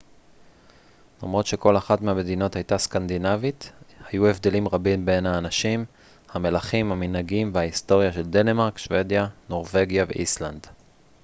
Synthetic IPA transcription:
lamʁo̞t̪ʃe̞ko̞laχatmehame̞d̪ino̞thajt̪askand̪inavit̪hajue̞vd̪e̞limʁabimbe̞nhaːnaʃim | hame̞laχimhaminhaɡimveaist̪o̞ʁjaʃe̞ld̪e̞nemaʁkʃve̞djano̞ʁve̞ɡjavḛʔisland

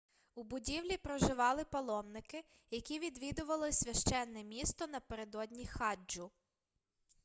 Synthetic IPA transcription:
ubʊdʲiwlʲipɾɔʒɪʋɑlˠɪpɐlˠɔmnɪkɪ | jɐkʲiʋʲid̪ʋʲid̪ʊʋɐlˠɪsʲʋʲɐʃt͡ʃɛnːɛmʲist̪ɔnɐpeɾed̪ɔd̪ʲnʲixɑd͡ʒʊ

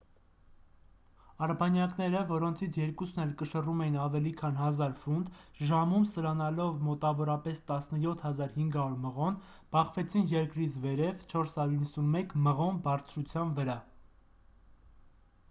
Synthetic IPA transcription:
ɑɾbɑnjɑknɛɾəvɔɾɔnt͡sʰit͡sʰjɛɾkusnɛlkəʃərumɛjinɑvɛlikʰɑn̪ɦɑzɑɾfund̪ʒɑmumsəɾɑnɑlɔvmɔt̪ɑvɔɾɑpɛst̪ɑsnəjɔt̪ʰhɑzɑɾhiŋɡɑɾuɾməʁɔn | b̥ɑχvɛt͡sʰinjɛɾkɾit͡sʰvɛɾɛvt͡ʃʰɔɾshɑɾjuɾinːəsunmɛkməʁɔnbɑrt͡sʰɾut͡sʰjɑnvəɾɑ

